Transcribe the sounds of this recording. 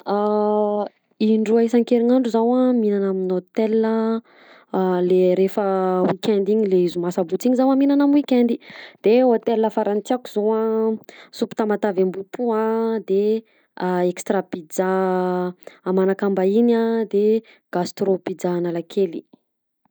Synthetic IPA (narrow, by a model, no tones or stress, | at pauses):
a | iɳɖ͡ʐuaisaŋkeɾiɲaɳɖ͡ʐuzawaminanaminot̪elnə | leɾefəwikʰʲɛnd̪iɲileizumasabut͡siɲizawaminanamwikʲɛnd̪id̪̥eot̪elːəfaɾant͡siakuzoa | supi̥t̪amat̪avambupʰuad̪e | ekst̪ɾabid͡za | manakambainad̪e | ɡ̥ast̪robid͡zaːnalakʰeli